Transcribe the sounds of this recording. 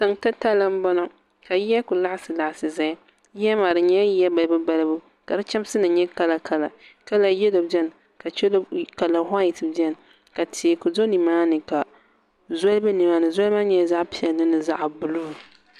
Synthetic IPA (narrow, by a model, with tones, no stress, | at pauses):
sa˨ŋta˦ta˦lɨ˦m˦bɔ˦nɔ˨ | ka˨ja˦kʊ˨la˦ʔsɨ˨la˨ʔsɨ˨za˦ | jɛ˦ma˨ɾɨ˨ɲɛ˦jɛ˦ba˨lbɨ˦ba˦lɨ˦bu˦ | ka˨ɾɨ˦t͡ʃa˦m˦sɨ˦nɨ˨ɲɛ˦ka˦la˨ka˦la˨ka˦la˨jɛ˦lo˨bdɛ˦n˨ | ka˨t͡ʃɛ˦lka˨la˨ɦa˦ji˨tɨ˨bdɛ˦n˨ | ka˨tʰi˨kʊ˨do˦ni˨maː˦nɨ˨ka˨ | zɔ˦lbɨ˦ni˨maː˦nɨ˨zɔ˦lma˦ɲ˦ɛ˦za˦ʔpi˨ɛ˨lːɨ˦nɨ˨za˦ʔbʊ˨lu˦˨